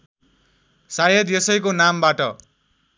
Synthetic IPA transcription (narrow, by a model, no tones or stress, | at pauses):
sajʌd̪jʌsʌjkonambaʈʌ